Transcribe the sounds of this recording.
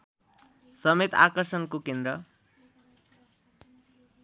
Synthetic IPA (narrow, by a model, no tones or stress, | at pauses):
sʌmet̪a̰kʌrsʌnkokend̪ɾʌ